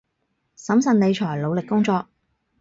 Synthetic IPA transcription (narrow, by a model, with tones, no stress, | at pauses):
sɐ˨˥msɐ˨nne˨˧jt͡ʃʰɔː˨˩jlo˨˧wlɪ˨kːʊ˥ŋt͡sɔː˧k̚